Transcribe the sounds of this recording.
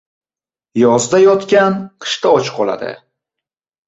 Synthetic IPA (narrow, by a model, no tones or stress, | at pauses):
jɒzd̪ajɒt̪kʲanqʰɨ̥ʃt̪ʰaɒt͡ʃqʰɒlˠa̰d̪ɪ̰